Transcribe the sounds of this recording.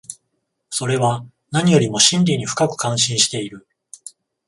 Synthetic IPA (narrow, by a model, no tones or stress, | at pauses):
so̞ɾe̞βa | naɲ̟ijo̞ɾʲimo̞ɕĩnɾʲiɲ̟iɸɯ̥kakɯ̟̥kãɰ̃ɕĩɰ̃ɕi̥t̪e̞iɾɯ̟